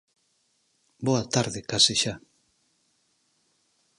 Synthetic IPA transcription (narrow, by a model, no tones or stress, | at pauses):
boat̪aɾðekasiʃa